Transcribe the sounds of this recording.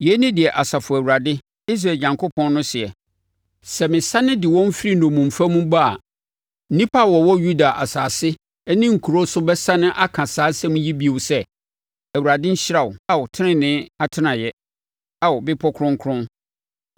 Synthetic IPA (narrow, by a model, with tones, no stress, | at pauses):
jɛ˨˦nɪ̃˦dɪ˨ɛ˨ʔa˨sa˨fʊ˨æ˨wu˨ɾa˨dɪ˦ | i˦s̬ɾa˨ɲã˨ŋkʰo˦pʰɔ̃˦nː˦ʊ̃˦sɪ˨ɛ˨ | sɛ˨mɪ̃˨sa˦nɪ̃˦dɪ˨wɔ̃˦m̩˦fɪ˦ɾi˦nɔ̃˨mũ˨m̩˨fa˦mũ˦ba˦a̰˨ | n̩˦nĩ˦pʰa˦˨wɔ˨wɔ˦ju˦da˨ʔa˨saː˨sɪ˦ | nɪ̃˦ŋ̩˨kʰu˨ɾo˦sʊ˦bɛ˦sa˦nɪ̃˦ʔa˦kʰã˨saː˨˦sɛ̃˦mũ˦ji˦bi˦˨ʊ˨sɛ˦ | æ˨wu˨ɾa˨dɪ̃˦ɲ̩˦ɕɪ˦ɾa˨wʊ˨a˦wʊ˨tʰɪ̃˦nɪ̃˦˨nɪ̃˦a˨tʰɪ˦nã˨jɛ˦ | a˨wʊ˨bɪ˦pʰɔ˦kʰɾʊ̃˦ŋ˦kʰɾʊ̃˦n